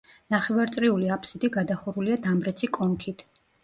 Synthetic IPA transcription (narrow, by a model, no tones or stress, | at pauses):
naχɛvaɾt̪sʼɾiuliapʰsid̪iɡad̪aχuɾuliad̪amɾɛt̪sʰikʼɔŋkʰit̪ʰ